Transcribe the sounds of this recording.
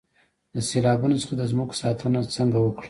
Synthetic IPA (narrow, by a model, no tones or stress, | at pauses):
d̪əselɑbunot͡sə̥χad̪əzmuɡ̥sɑt̪ʰənat͡səŋɡawəkɽa